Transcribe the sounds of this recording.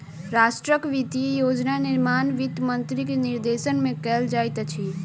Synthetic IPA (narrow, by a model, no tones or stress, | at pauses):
ɾaːʃʈɾəkʋit̪ijoːd͡ʒnanɪɾmaːnʋit̪mə̃nt̪ɾikenɪɾd̪eːʃənmẽkɛːld͡ʒaːjt̪t͡ʃʰi